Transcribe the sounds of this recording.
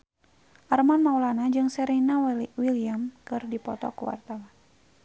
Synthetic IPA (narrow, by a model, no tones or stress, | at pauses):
ʔarmanmaulanad͡ʒɨŋsɛɾinawiliamkɨrdipɔt̪ɔ̰kuwa̰rt̪awan